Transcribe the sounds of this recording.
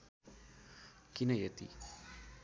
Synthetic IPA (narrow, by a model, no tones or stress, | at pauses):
kinəjət̪ḭ